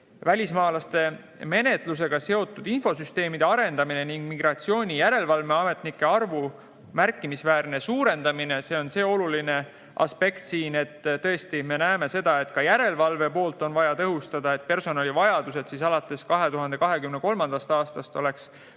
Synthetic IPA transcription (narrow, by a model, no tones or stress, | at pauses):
vælʲismɑːlɑst̪e̞ | me̞ne̞t̪ˑlus̬e̞ɡ̥ɑse̞o̞t̪ːˑud̪̥info̞syst̪e̞ːmid̪e̞ɑɾe̞nd̪̥ɑmine̞niŋɡ̥miɡrɑt̪sio̞ːnʲijæɾe̞lvɑlve̞ɑme̞t̪nikːe̞ɑrvu | mæɾrkːˑimisvæːrne̞suːɾe̞nd̪ɑmine̞seːo̞nse̞ːo̞luline̞ | ʔɑ̰spe̞kt̪siːne̞t̪ːt̪ːɤ̞est̪ime̞næeme̞se̞d̪̥ɑe̞t̪kɑjæɾe̞lvɑlve̞po̞ːlt̪ˑo̞nvɑjɑt̪ɤɦust̪ɑd̪ɑe̞t̪̚pe̞rso̞nɑlʲivɑjɑd̪̥use̞d̪̥siːs̬ɑlɑt̪ːˑe̞skɑɦe̞t̪uɦɑnd̪e̞kɑɦe̞kymne̞ko̞lmɑnd̪̥ɑst̪ɑːst̪ɑst̪o̞le̞ks